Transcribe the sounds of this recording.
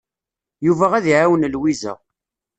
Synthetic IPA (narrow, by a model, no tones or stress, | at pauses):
juvæʁæðiʕawənlwizæ̰